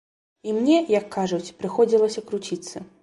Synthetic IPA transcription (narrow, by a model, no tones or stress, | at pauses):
imnʲɛjɐkʰːaʐut͡sʲpɾɨxɔd͡zʲilˠɐsʲɐkɾut͡sʲit̪sːɐ